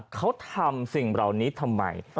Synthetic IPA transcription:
kʰa˦˥wt̪ʰa˧msi˨˩ŋɾa˨˩wniː˦˥t̪ʰa˧mːa̰˧j

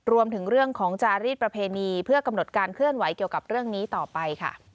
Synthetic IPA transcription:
ɾu˧əmt̪ʰɯ˩˦ŋɾɯ˥˩əŋkʰɔː˩˦ŋt͡ɕaː˧ɾiː˥˩t̪̚pɾa˧pʰeː˧niː˧pʰɯ˥˩əka˧mno˨˩t̪̚kaː˧nkʰɯ˥˩ənwa˩˦jki˨˩əwka˨˩p̚ɾɯ˥˩əŋniː˦˥t̪ɔː˨˩pa˧jkʰa̰˥˩

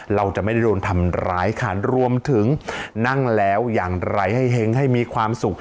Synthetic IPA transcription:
ɾa˧wt͡ɕa˨˩ʔma˥˩jda˥˩doː˧nt̪ʰa˧mɾa̰ː˦˥jkʰa˥˩ɾu˧əmt̪ʰɯ˩˦ŋna˥˩ŋlɛː˦˥wjaː˨˩ŋɾa˧jɦa˥˩jɦe˦˥ŋɦa˥˩jmiː˧kʰwaː˧msu˨˩k̚

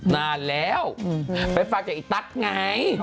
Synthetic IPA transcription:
naː˨˩lɛ˨˦wɓə˨˦faː˧t͡ɕḭ˧˨t̪a˦˥t̚ŋa˨˧˩j

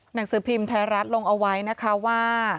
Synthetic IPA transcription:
na˨˩˦ŋsɯː˨˩˦pʰi˧mt̪ʰɛː˧˥ɾa˦˥t̪̚lo˧ŋʔa˧wa˦˥jna˦˥kʰa˦˥waː˥˩

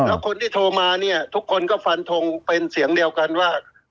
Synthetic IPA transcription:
lɛ˦˥wkʰo˧nt̪ʰiː˥˩t̪ʰoː˧maː˧ni˥˩ɐt̪ʰu˦˥kʰːo˧nkɔː˥˩fa˧nt̪ʰo˧ŋpe˧nsi˨˩˦əŋdi˧əwka˧nwaː˥˩

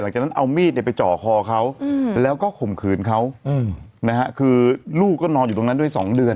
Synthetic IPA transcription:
la˩˦ŋt͡ɕa˨˩na˥ʔa˧wmiː˥˩t̪̚na˥˩pa˧jt͡ɕɔː˨˩kʰɔː˧kʰa˦˥wlɛː˦˥wkɔː˥˩kʰo˨˩mkʰɯː˨˩nkʰa˦˥w | na˦˥kʰa˦˥ʔkʰɯː˧luː˥˩k̚ːɔː˥˩nɔː˧njuː˨˩t̪o˧na˦˥du˥˩əjsɔː˩˦ŋdɯ˧ən

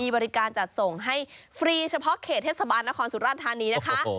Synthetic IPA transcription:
iː˧bɔː˧ɾi˦˥kaː˧nt͡ɕa˨˩t̪̚so˨˩ŋɦa˥˩jfɾiː˧t͡ɕʰa˧pʰɔ˦˥ʔkʰeː˨˩t̪ʰːeː˥˩sa˧baː˧nːa˦˥kʰɔː˧nsu˨˩ɾaː˥˩t̪ʰːaː˧niː˧na˥kʰa˦˥ʔ

